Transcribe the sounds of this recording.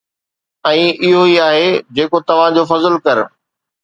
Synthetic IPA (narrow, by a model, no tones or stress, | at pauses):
ɛ̃ːʔɪɦoiaːɦed͡ʑeːkot̪ɐʋ̤ãd͡ʑoːfɐzəlkɐɾ